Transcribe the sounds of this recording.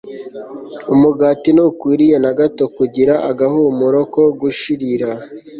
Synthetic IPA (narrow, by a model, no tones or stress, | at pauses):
umuɡaːtinukwiːɾije̞naɡato̞kuɟiɾaʔaɡaɦumuɾoko̞ɡuʃiɾiɾa